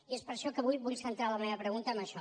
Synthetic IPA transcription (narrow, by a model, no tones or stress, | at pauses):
iespəɾʃɔkəβujβuʎsənt̪ɾaləmeβəpɾəɣunt̪əːməʃɔ